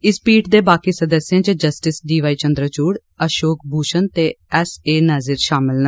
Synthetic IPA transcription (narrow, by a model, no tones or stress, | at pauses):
ɪspiːʈd̪eːbaːkiːsəd̪əsːɪjãːd͡ʒəd͡ʒəsʈɪsɖiːʋaːiːt͡ʃənd̪ɾət͡ʃuːɽ | əʃoːk̚bʱuːʃənt̪eːɛseːnaːzɪɾʃaːmɪlnə